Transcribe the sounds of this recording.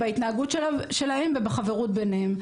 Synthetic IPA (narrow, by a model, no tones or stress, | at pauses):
bait̪naaɡutʃe̞lahe̞mvebaχaveʁut̪̚be̞nem